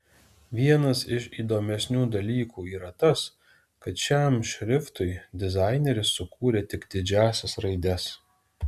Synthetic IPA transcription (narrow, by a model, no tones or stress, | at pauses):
ʋʲiɛnɐsɪʃiːd̪oːmʲɛsʲnʲuːd̪ɐlʲiːkuːiːɾɐt̪ɐs | kɐt̪ʃʲæmʃʲɾʲɪft̪ʊɪd̪ʲɪzɑˑɪnʲɛɾʲɪsːʊkuːɾʲeːt̪ʲɪkd̪ʲɪd͡ʒʲæːsʲɛsɾɐɪd̪ʲɛs